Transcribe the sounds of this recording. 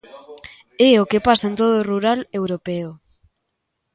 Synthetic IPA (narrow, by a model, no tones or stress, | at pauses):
ɛokepasɐent̪oðoːruɾalewɾopɛo